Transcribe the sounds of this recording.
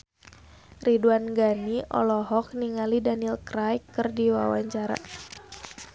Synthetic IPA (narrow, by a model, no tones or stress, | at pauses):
riduanɡaniʔɔ̰lɔɦɔk̚niŋalidanilkɾajkːɨrdiwa̰waɲt͡ʃaɾa̰